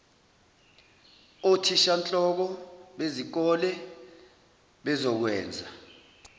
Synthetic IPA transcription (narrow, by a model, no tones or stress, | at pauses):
otʰiʃant͡ɬʼɔk̬ɔɓezik̬ɔlɛ | ɓɛzɔk̬wɛːnd͡zʱa